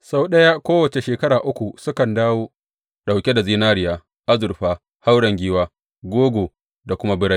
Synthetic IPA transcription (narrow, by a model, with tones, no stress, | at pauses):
sa˦wɗɐ˦ja˦kʷoː˦wɐ˨t͡ʃe˨ʃeː˨kɐ˦ɾaː˨ʔʊ˦kʷu˨sʊ˦kɐ˨ndaː˦woː˦ | ɗa˨wkʲe˦da˨ziː˦naː˦ɾɪ˦jaː˦ | ʔa˦zʊ˨ɾɸaː˦ | ha˦wɽɐ˨ŋɡʲiː˦waː˦ | ɡʷoː˦ɡʷoː˨ | da˨kʷʊ˦ma˦bɪ˦ɽa˦j